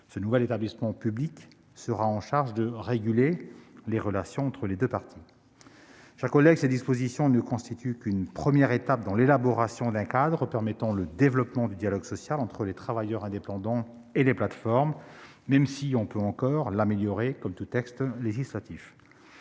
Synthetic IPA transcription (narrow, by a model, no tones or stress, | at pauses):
sənuvɛlet̪ablismɑ̃pyblik | səʁaɑ̃ʃaʁʒd̪əʁeɡʲyleleʁəlasjɔ̃ɑ̃t̪χəled̪øpaʁt̪ʰi | ʃakɔlɛɡsed̪ispozisjɔ̃nəkɔ̃st̪it̪ʰykynpχəmjɛʁet̪ap̚d̪ɑ̃lelabɔʁasjɔ̃d̪ɛ̃kad̪ʁəpɛʁmɛt̪ɑ̃ləd̪evlɔpmɑ̃d̪yd̪jalɔɡsɔsjalɑ̃t̪χəlet̪χavajœʁɛ̃d̪epɑ̃d̪ɑ̃ | eleplat̪fɔʁmː | ɛmsiɔ̃pøɑ̃kɔʁlameljɔʁekɔmt̪ut̪ɛkst̪leʒislat̪if